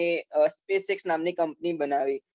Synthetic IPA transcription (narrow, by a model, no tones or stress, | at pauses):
espeːseksnaːmnekə̃mpnibənaːʋiː